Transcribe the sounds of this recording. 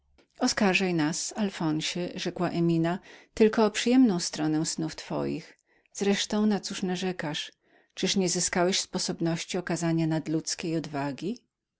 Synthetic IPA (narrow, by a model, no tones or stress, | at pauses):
ɔskaɾʐajnasalfɔ̃ɲɕɛʐɛkwaʔɛmʲinat̪ɘlkɔːpʂɨjɛmnɔ̃w̃st̪ɾɔnɛw̃snuft̪fɔ̰jḭx | z̥ɾɛʂt̪ɔ̃w̃nat̪suʂnaʐɛkaʂ | t͡ʂɘʂɲɛzɘskawɛɕspɔsɔbnɔɕt͡ɕiɔkazaɲanad̪lut̪skʲejɔd̪vaɡʲi